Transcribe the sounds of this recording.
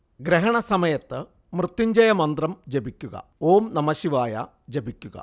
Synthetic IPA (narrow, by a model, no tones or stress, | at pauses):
ɡɾeɦɐɳɐsɐmɐjɐt̪ːɨ | mrɨt̪ːiɲd͡ʑɐjɐmɐnd̪rɐmd͡ʑebikʲːuɣɐ̰oːmnɐmɐɕiʋaːjɐ̰ | d͡ʑebikʲːuɣɐ̰